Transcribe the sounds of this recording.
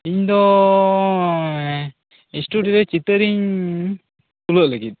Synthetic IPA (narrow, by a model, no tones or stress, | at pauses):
iɲd̪ɔ | isʈuɖiɾɛt͡ʃit̪əɾiɲ | t̪uləʔləɡit̪̚